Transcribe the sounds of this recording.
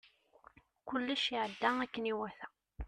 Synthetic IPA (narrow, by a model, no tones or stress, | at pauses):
kʊlːəʃiʕəd̪ːæækːəniwæθæ